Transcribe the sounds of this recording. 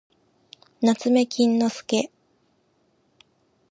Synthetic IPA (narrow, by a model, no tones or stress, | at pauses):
nat͡sɨme̞kʲĩnːo̞sɨ̥ke̞